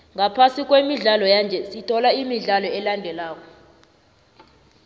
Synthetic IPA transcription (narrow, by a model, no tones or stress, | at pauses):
ŋapʰasik̬ʼwemiɮalɔjand͡ʒʱɛsitʰɔlaimiɮalɔɛlandʱɛlaːk̬ʼɔ̥